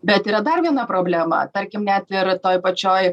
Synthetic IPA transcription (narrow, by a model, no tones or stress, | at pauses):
bʲɛt̪iːɾɐd̪ɐrʋʲiɛnɐpɾoːbʲlʲæːmɐ̰t̪ɐɾʲkʲɪmnʲɛt̪ɪɾt̪oːjpɐt͡ʃʲoːj